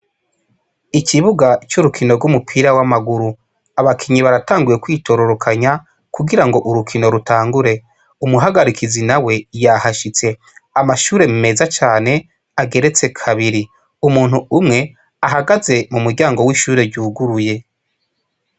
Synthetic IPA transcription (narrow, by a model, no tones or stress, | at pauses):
iciβuɡat͡ʃuɾukʰino̞ɾɡumupʰiɾawamaɡuɾu | aβakʰiɲiβaɾataːŋɡuje̞kwiːtʰo̞ɾo̞ɾokʰaɲa | kuɡiɾaŋɡo̞ʔuɾukʰino̞ɾutaːŋɡuɾe̞ | umuɦaɡaɾikʰizinawe̞jahaʃit͡se̞ | amaʃuːɾe̞mime̞zat͡ʃaːne̞ | aɡe̞ɾe̞t͡se̞kʰaβiɾi | umuːn̥huumŋe̞ | aɦaɡaze̞mumuɾɟaːŋɡo̞wiːʃuːɾe̞ɾɟuːɡuɾuje̞